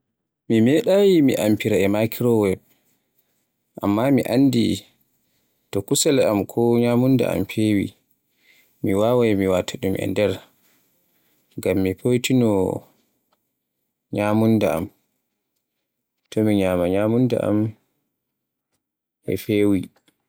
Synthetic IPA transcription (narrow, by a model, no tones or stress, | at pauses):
mimɛɗajimḭʔampiɾaɛmakʰiɾɔwɛ | ʔa̰mːamiʔandḭ | tɔkusɛlɛamkʰɔɲamunda̰a̰mfewḭ | miwawajmiwatʰaɗumʔɛ̰ndɛɾ | ŋɡamːipʰojtinɔ | ɲamundaa̰m | tʰɔmiɲaːmaɲamunda̰ʔa̰m | ʔɛ̰fewi